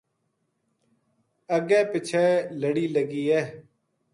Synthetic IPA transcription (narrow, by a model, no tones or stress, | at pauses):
əɡɛ̃ːpɪt͡ʃʰeːləɽiːləɡiːɛː